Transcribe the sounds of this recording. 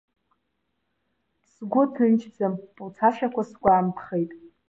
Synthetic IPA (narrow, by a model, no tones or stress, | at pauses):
sɡʷʊtʰɨnt͡ʃʰd͡zampʼut͡sʰaʃᶣakʷʰasɡʷʼaːmpʰχejtʼ